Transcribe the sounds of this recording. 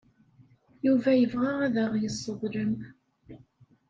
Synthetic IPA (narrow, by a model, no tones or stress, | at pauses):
juvæjəvʁaʁæðəʁjəsˤːəðˤɾəm